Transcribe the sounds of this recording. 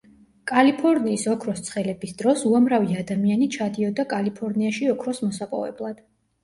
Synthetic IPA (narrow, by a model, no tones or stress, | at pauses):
kʼalipʰɔɾniːsɔkʰɾɔst̪sʰχɛlɛbisd̪ɾɔsuamɾaviad̪amianit͡ʃʰad̪iɔd̪akʼalipʰɔɾniaʃiɔkʰɾɔsmɔsapʼɔ̰vɛ̰blˠad̪̥